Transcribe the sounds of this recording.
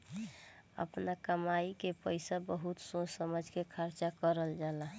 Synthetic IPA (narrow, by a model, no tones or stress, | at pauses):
ə̰pnakəmaikepəjsabəɦut̪sõsəməd͡ʒʱkekʰaɾt͡ʃakəɾəld͡ʒala